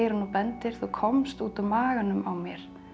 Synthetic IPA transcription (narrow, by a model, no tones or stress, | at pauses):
jɾnupɛnt̪ɪɾ̥θukʰɔmst̪uːt̪amaːɣanʏmawmjɛɾ̥